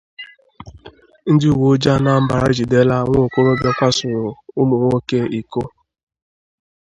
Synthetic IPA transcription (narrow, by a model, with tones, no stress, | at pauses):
n̩˦dɪ˦u˨wo˨˦d͡ʒa˦na˨m̩˦ba˨ɾa˦d͡ʒi˨de˦la˦ŋʷo˦˨ko˦ɾo˦be˦kʷa˦sʊ˨ɾʊ˨ʊ˦mo˨ŋʷo˦ke˦i˨ko˦